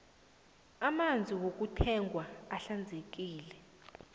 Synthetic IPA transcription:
amand͡zʱiwok̬ʼutʰɛŋɡʱwaaɬand͡zʱek̬iːlɛ

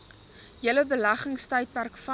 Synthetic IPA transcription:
jələbəlɐχəŋstœɥt̚pærkfɐ

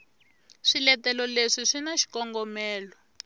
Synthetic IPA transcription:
ʂilɛtɛlɔleʂiʂinaʃi̥kɔŋɡɔmɛːlɔ

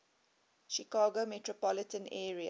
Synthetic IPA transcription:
ʃikɑːɡomɛtɹopɔlətə̃nɛːɹia̰

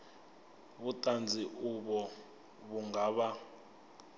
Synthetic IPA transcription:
βutʼand͡zʱiʔuɓɔ | βuŋɡaɓa

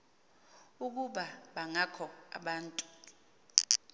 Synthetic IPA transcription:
uk̬uɓaɓaŋakʰɔa̰ɓaːntʼu̥

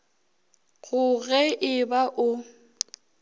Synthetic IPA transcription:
ɣʊɣɛʔɪbaʔʊ

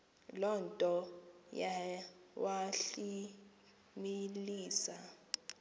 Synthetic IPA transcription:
lɔntʼɔjawaɬi | miliːsa

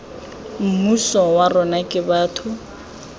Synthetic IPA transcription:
m̩musɔwarɔnakʼɪbaːtʰʊ

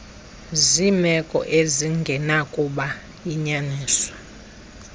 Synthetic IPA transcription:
zimɛkʼɔ̰ʔeziŋɡʱɛnakʼuɓa | jiɲaniːswḁ

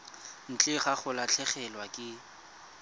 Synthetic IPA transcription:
n̩t͡ɬʼɪχaχʊlat͡ɬʰɛχɛlwakʼɪ

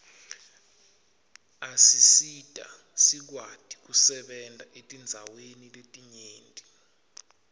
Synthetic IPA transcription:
asisid̥ʱʼa̰ | sik̬wad̥ʱik̬usɛɓɛndʼʱaʔetʼind͡zʱaweniletʼiɲeːndʱʼi

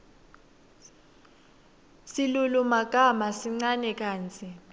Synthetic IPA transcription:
silulumaɡ̥ʱamasiŋ͡ǀanɛk̬ʼaːnt͡sʼi

